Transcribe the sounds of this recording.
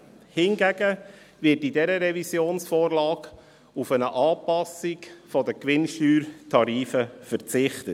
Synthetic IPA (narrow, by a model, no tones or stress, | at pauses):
hɪnɡæɡə | vɪtidɛɾəɾɛvisjoːnsfoːɾlɑːɡ | ufənəʔɑːpɑsikfɔdəkʋɪnʃtyːɾtʰɑɾiːfəfəɾt͡sɪχtət